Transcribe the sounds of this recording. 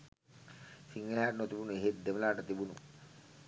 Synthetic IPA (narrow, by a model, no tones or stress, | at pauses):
siŋɡəleɦaːʈnot̪ibunueɦet̪̚d̪eməlaːʈət̪ibunṵ